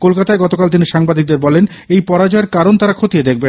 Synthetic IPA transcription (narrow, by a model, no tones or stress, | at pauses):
kolkat̪aeɡɔt̪okalt̪iniʃaŋbad̪ik̚d̪eɾbɔlen | ejpɔɾad͡ʑɔeɾkaɾont̪aɾakʰot̪ijed̪ekʰben